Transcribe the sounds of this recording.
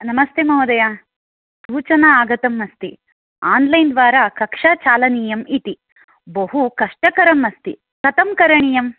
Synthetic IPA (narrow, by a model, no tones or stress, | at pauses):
nɐmɐst̪emɐɦud̪ɐja | suːt͡ʃɐnɐaːɡɐt̪ɐmːɐst̪i | aːnlɐjnd̪ʋaːɾɐkɐkʂaːt͡ʃaːlɐniːjɐmit̪i | bɐɦukɐʂʈɐkɐɾɐmːɐst̪i | kɐt̪ɐmkɐɾɐɳiːjɐm